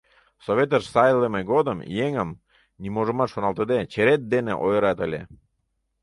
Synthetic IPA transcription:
soβʲet̪əʃsɑjlemeɡod̪əmjeŋəm | nimoʐə̆mɑt̪ʃonɑlˠt̪əd̪et͡ɕeɾet̪̚d̪enḛʔojəɾɑt̪əlʲḛ

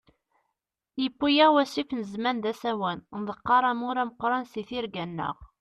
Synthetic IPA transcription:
jəpːujæʁwæsifnəzmænd̪æsæwænnðˤəqːɑɾˤɑmʊɾæməqɾˤɑnsiθiɾɡænːə̰ʁ

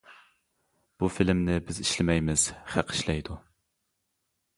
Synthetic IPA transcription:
b̥ufilɪmnɪbɪziʃlɪmɛjmɪz̥χæqʰi̥ʃlɛjd̪u

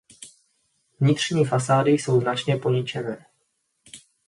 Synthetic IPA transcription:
vɲɪt̪r̝̥ɲiːfas̬aːdɪjso̞wznat͡ʃɲɛpoɲit͡ʃɛvɛː

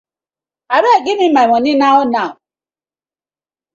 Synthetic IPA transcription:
aɾeɡɪmɪmaŋɔnɪnaʊnaʊ

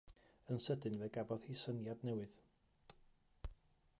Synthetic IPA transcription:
ənsədɨnvɛɡavɔðhisənjadnɛwɨð

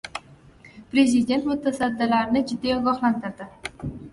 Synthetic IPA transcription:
pɾe̞zɪd̪e̞nt̪mʊt̪ʰasad̪ːɪlaɾɪnɪd͡ʒʊd̪ːijɒɡɒχlant̪ʰɪɾd̪ɪ

